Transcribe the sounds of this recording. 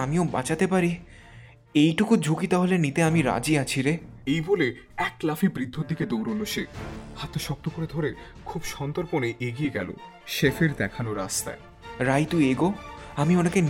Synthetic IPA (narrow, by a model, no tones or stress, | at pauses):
amioba̰t͡ɕat̪epaɾi | ejʈukud͡ʑʱukit̪aɦolenit̪eamiɾa̰d͡ʑiat͡ɕʰiɾe | ejbole | ɛklafʰibɾid̪ʱːoɾd̪ʱiked̪owɾonoʃehat̪ːeʃɔk̚t̪okoɾed̪ʱoɾe | kʰubʃɔnt̪oɾponeʔeɡieɡɛ̰lo̰ | ʃefeɾd̪ɛkʰanoɾast̪a̰e | ɾajt̪ueɡoamionaken